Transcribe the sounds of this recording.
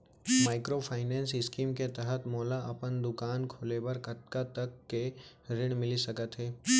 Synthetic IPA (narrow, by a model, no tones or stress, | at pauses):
maːɪkɾopʰaːɪnɛ̃ːnsɪskiːmket̪ɛɦət̪mɔːlaɐpənd̪ʊkaːnkʰoːlebəɾkɐt̪̚kat̪ɐkːeɾɪɽ̃mɪlisɐkət̪ɦɛː